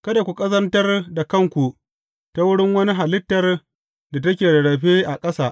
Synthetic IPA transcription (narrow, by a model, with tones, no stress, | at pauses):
kɐ˦da˨kʷu˨kʼɐ˦zɐ˦ntɐ˦rda˨kɐ˦ŋkʷu˨ | ta˦wʊ˦ɽɪ˦ŋwɐ˦ni˦ɦa˨lɪ˦tːɐ˨r | da˨tɐ˦kʲeː˨dɐ˨ɽɐ˨ɸeː˦ʔa˨kʼɐ˦saː˦˨ʔ